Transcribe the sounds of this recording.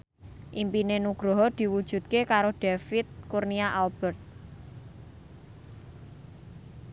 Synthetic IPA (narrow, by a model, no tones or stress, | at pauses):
ʔimpinenuɡ̥ɾɔɦɔd̪̥i̤wud̥ʒ̥ṳt̪̚kekaɾoɖ̥efit̪̚kurniaʔalb̥ɛrt̪̚